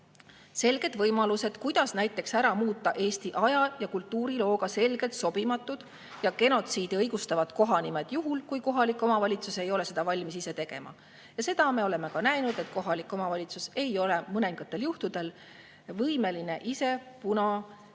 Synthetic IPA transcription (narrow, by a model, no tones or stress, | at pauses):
se̞lɡ̥e̞d̪vɤjmɑluse̞d̪̥kujd̪̥ɑsnæjt̪ːˑe̞ksæɾɑmuːt̪ˑːɑʔe̞ːst̪iʔɑjɑjɑkult̪ːˑuːɾilo̞ːɡ̥ɑse̞lɡ̥e̞lt̪so̞b̥imɑt̪ːˑud̪̥ | jɑɡe̞no̞t̪siːd̪̥iɤjɡust̪ɑvɑd̪ko̞ɦɑnimed̪̥juɦulkujko̞ɦɑlikˑːo̞mɑvɑlʲit̪suse̞jo̞le̞se̞d̪̥ɑvɑlʲmisise̞t̪e̞ɡ̥e̞̰mɑ̰ | jɑse̞d̪̥ɑme̞o̞le̞me̞kɑnæjnud̪̥e̞t̪ko̞ɦɑlikːˑo̞mɑvɑlʲit̪suse̞jo̞le̞mɤneŋɡ̥ɑt̪ːˑe̞ljuht̪ud̪̥e̞l | vɤjme̞line̞ʔise̞ | punɑ